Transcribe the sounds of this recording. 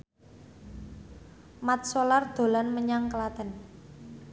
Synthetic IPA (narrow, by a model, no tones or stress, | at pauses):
mat̪̚solard̪̥o̤lanməɲaŋkəlat̪ə̤n